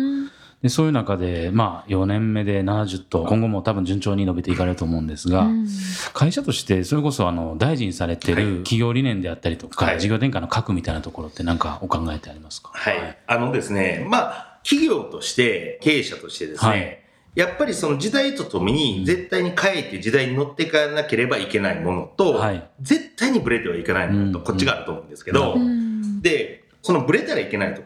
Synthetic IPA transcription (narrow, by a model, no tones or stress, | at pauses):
d̪̥e̞so̞ːjɯ̟nakad̪e̞maːjo̞nẽ̞mːe̞d̪e̞nanaʑɨt̪ːo̞kõ̞ŋɡo̞mo̞t̪abɯ̟ɲd͡ʑɨ̃ɲt͡ɕo̞ːɲ̟ino̞bet̪e̞ikaɾe̞ɾɯ̟t̪oːmo̞ɯ̃nd̪esɨɡakʰaiɕat̪o̞ɕi̥t̪e̞so̞ɾe̞ko̞so̞ano̞d̪aiʑiɲ̟isaɾe̞t̪e̞ɾɯ̟kʲiɡʲo̞ːɾʲinẽ̞nd̪e̞jat̪ːaɾʲit̪o̞kaʑiɡʲo̞ːt̪ẽ̞ŋkainokʰakɯ̟mʲit̪ainat̪oko̞ɾo̞t̪ːe̞nãŋka̰o̞kãŋɡae̞t̪e̞aɾʲimasɨ̥kḁhaiano̞d̪e̞sɨne̞makʲiɡʲo̞ːt̪o̞ɕi̥t̪e̞ke̞ːɕat̪o̞ɕi̥t̪e̞d̪e̞sɨne | japːaɾʲiso̞no̞ʑid̪ait̪ot̪o̞meɲ̟id͡ze̞t̪ːaiɲ̟ikʰaet̪ːed͡ʑid̪aiɲ̟ino̞t̪ːe̞kanake̞ɾe̞baike̞naimo̞no̞t̪o̞haid͡ze̞t̪ːaiɲ̟ibɯ̟ɾe̞t̪e̞β̞aikenaimonot̪oko̞t͡ɕːiɡaːɾɯ̟t̪o̞ːmo̞ɯ̃nd̪esɨ̥ke̞d̪o̞ | d̪e̞ | so̞no̞bɯ̟ɾe̞t̪aɾaike̞nait̪o